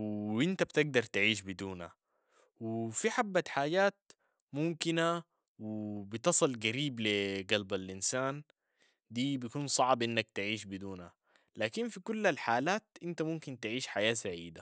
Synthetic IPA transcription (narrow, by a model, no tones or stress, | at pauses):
wʔɪnt̪abt̪ɪɡ̚d̪ɑɾˤt̪ɪʕiːʃ̬bid̪uːnha̰ | wɪfiħabːat̪ħaːɟaːt̪̚ | mumkina | wɪbɪt̪ɨsˤɨlɡaɾiːbliɡalbalʔinsaːn | d̪iːbijkuːnsˤɑʕbʔɪnːak̚t̪ɪʕiːʃbid̪uːnha̰ | laːkinfikulːalħaːlaːt̪ʔɪnt̪amumkint̪ɪʕiːʃħajaːsaʕiːd̪a